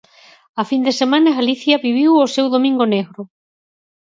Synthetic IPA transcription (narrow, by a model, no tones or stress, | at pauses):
ɐfind̪esemãnɐɣaliθjɐβiβiwosewðomĩŋɡoneɣɾʊ